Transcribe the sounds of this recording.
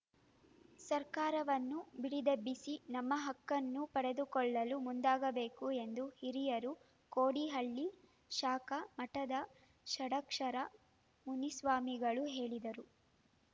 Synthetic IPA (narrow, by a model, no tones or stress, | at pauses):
sɐɾkaːɾɐʋɐnːubiɽid̪ɐbːisinɐmːɐɦɐkːɐnːupɐɽed̪ukɔɭːɐlumund̪aːɡɐbe̞ːkue̞nd̪uhiɾijɐɾu | koːɽiɦɐɭːi | ʃaːkɐmɐʈɐd̪ɐ | ʃɐɽɐkʂɐɾɐ | munisʋaːmiɡɐɭuɦe̞ːɭid̪ɐɾu